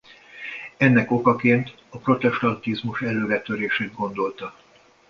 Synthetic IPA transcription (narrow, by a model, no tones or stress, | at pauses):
ɛnːɛko̞kɒkeːnt̪ | ɒpro̞t̪ɛʃt̪ɒnt̪izmuʃɛlːøːɾɛt̪ø̞ɾeːʃeːd̪̚ɡo̞nd̪o̞lt̪ɒ